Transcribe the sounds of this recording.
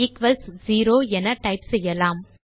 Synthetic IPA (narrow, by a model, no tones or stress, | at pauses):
ikʋɐlsziːɾoːɛnɐʈɐɪpsɛjːɐlaːm